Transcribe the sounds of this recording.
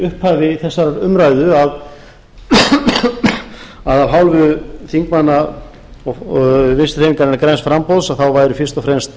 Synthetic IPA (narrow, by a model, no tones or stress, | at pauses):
ʏhphaːvɪθɛsːaɾaɾʏmɾajðʏað | aðavɦawlvʏθiŋkmanːa | ɔvɪnst̪r̥ejniŋkanɪnakɾɛnsfɾampowðsaðθawvaːjɾʏfɪ̥st̪ɔfɾɛmst̪